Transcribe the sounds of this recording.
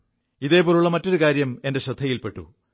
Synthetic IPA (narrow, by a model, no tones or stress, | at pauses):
iðe̞ːpoːɾuɭːɐmɐtːoɾukaːɾjɐme̞nde̞ɕɐd̪ʱːɐjilpe̞ʈːṵ